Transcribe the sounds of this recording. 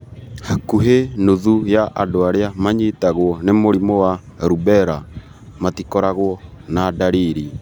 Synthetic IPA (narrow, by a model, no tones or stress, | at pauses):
hakuɦenoðujaʔadoaɾeamaɲetaɣwɔnemoɾimɔwaɾubɛɾa | matikɔɾaɣwɔnadaɾiɾi